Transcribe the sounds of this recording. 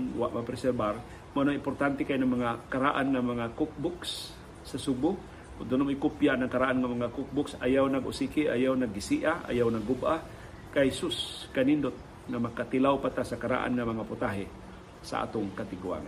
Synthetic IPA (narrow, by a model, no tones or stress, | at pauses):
nwa̰ʔmapɾɛsɛɾbaɾ | monoɪmpoɾt̪ant̪ɛkajnaŋmaŋakaɾaʔanŋamaŋakʊk̚bʊks | sasubʊ | ʊd̪onomɪkupjanaŋkaɾaʔanŋamaŋakʊk̚bʊksajawnaɡʊ̰sikiʔa̰jawnaɡisiʔaa̰jawnaɡubʔa | kajsʊskanind̪ot̪̚ | ŋamakat̪ilawpat̪asakaɾa̰ʔa̰nŋamaŋapʊt̪aɦe | sa̰ʔa̰t̪ʊŋkat̪ɪɡua̰ŋ